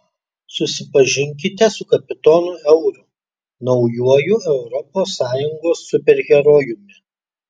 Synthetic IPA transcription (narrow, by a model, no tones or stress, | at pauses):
sʊsʲɪpɐʒʲɪŋʲkʲɪt̪ʲɛsʊkɐpʲɪt̪ɔnʊɛʊɾʊ | nɒʊjuɔjʊɛʊɾɔpoːsːɑːjʊŋɡoːsːʊpʲɛɾʲɣʲɛɾoːjʊmʲɪ